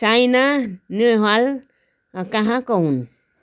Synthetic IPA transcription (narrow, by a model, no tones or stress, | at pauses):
t͡ʃajnanuɦal | akãɦãkohun